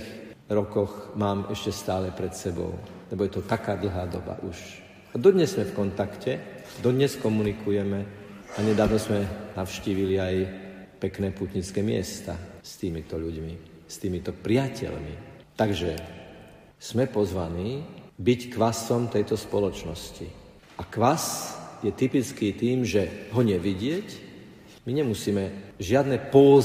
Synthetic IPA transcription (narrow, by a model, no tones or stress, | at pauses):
xɾɔkɔɣmaːmɛʃcɛst̪aːlɛpɾɛt̪sɛbɔ̰ʊlɛbɔjɛt̪ɔt̪akaːd̪l̩ɦaːd̪ɔba̰ʔuʃ | ad̪ɔd̪ɲɛzːmɛfkɔnt̪akcɛ | d̪ɔd̪ɲɛskɔmunikujɛmɛaɲɛd̪aːʊʋnɔzmɛnaʊʃciːʋiliaj | pɛknɛːpuːt̪ɲit͡skɛːmɪɛ̰st̪a̰st̪iːmit̪ɔʎuɟmi | st̪iːmit̪ɔpɾɪacɛ̰ʎmḭ | t̪aɡʒɛ | smɛpɔzʋaniːbickʋasɔmt̪ɛjt̪ɔspɔlɔt͡ʃnɔsci | ʔakʋasjɛt̪ipit͡skiːt̪iːmʒɛɦɔɲɛʋiɟɪɛc | miɲɛmusiːmɛʒɪad̪nɛpɔ